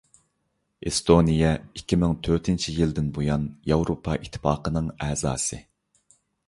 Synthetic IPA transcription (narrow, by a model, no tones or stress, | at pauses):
ʔest̪ʰonijɛikʲʰːimɪŋt̪ʰøɾt̪ʰɪnt͡ʃʰijild̪ɪnbojɑnjɑwɾopʰɑʔit̪ʰːɪ̥fɑːqənɨŋɛːzɑ̰ːsɨ